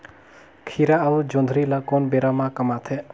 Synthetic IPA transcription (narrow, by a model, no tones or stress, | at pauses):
kʰiɾaəʋud͡ʒõnd̪ʱɾilakonbeɾamãkəmat̪ʰɛ